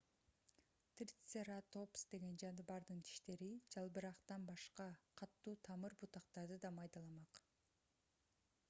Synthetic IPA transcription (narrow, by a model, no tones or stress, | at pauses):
t̪rʲit̪seɾat̪o̞psd̪e̞ɡe̞nd͡ʒɑnɯβɑɾd̪ɯnt̪ʰi̥ʃt̪e̞ɾid͡ʒɑlˠbɯɾɑqt̪ɑnbɑʃqɑqʰɑt̪ːuːt̪ʰɑmɯɾbut̪ɑqt̪ɑɾd̪ɯd̪ɑmɑjd̪ɑlˠɑmɑq